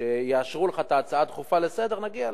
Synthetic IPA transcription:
ejeaʃʁuleχat̪aːt͡saat̪χufale̞se̞d̪e̞ʁnaɡia

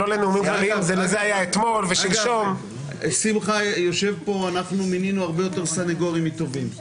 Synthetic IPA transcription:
oleneumimalimzelezehajaet̪mo̞lveʃilʃom | simχajo̞ʃe̞vpo̞anaχnumininuaʁbe̞jo̞t̪e̞ʁsaneɡoʁimit̪o̞vim

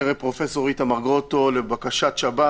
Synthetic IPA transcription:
eʁepʁo̞feso̞ʁit̪amaʁɡot̪o̞lebakaʃat̪ʃaba

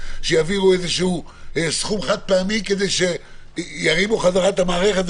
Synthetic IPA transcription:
ʃejaviluezeʃuu | sχumaχad̪̚peamimke̞d̪ejʃe | jaʁimuχazaʁat̪amaːʁeχet̪

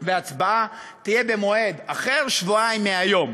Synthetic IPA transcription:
veat͡sbaa | t̪ije̞be̞moe̞d̪aχeʁʃvuaimːeajo̞m

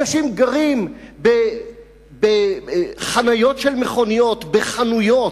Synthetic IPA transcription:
aʃimɡaʁimbe | beχanajo̞tʃelmeχo̞nijo̞t̪beχanujo

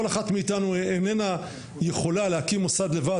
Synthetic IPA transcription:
olaχat̪meitanuenena | jeχo̞lalehakimosad̪le̞va

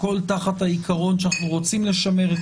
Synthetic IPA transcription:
ko̞lt̪aχat̪haikʰaʁo̞nʃanaχnuʁo̞t͡simle̞ʃame̞ʁet

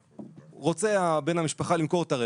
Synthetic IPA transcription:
ʁot͡se̞abe̞nhamiʃpaχalimko̞ʁetaʁe

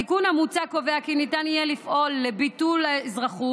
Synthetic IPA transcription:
ikunhamut͡sako̞veakinitanijelifʔo̞lːebitulzʁaχu

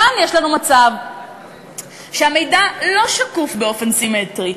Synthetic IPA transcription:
anjeʃlanumat͡sav | ʃeame̞jdalo̞ʃakufbeo̞fe̞nsime̞tʁi

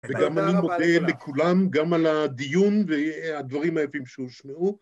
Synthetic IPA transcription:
veɡamanimod̪elekʰulamɡamalad̪ijunvead̪vaʁimajafimʃeuʃmeʔu

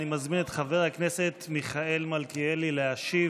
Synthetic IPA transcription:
nimazminetχave̞ʁhaknese̞t̪miχae̞lmalkielileaʃi

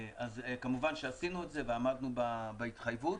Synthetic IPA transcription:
ʔazkamuvanʃeasinuetze̞veamad̪nubabait̪χajvut

